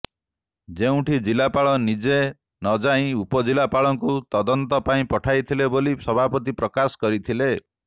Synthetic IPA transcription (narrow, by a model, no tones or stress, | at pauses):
d͡ʒeũʈid͡ʒilapaɭɔnid͡ʒe | nɔd͡ʒaĩupɔd͡ʒilapaɭɔŋkut̪ɔd̪ɔnt̪ɔpaĩpɔʈʰajt̪ʰilebolisɔbʱapɔt̪̬ipɾɔkasɔ̥kɔɾit̪ʰile